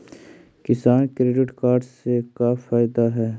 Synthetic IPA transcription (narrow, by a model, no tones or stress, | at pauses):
kɪsaːnkɾeːɖɪʈkaːɾɖsekafaːɪd̪aɦɛː